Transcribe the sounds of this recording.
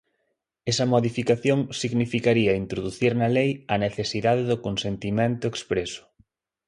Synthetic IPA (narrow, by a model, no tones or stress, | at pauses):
ɛsɐmoðifikaθjoŋsiɣnifikaɾiɐint̪ɾoðuθiɾnɐlejɐneθesiðaðeðʊkonsent̪imẽnt̪ʊekspɾesʊ̥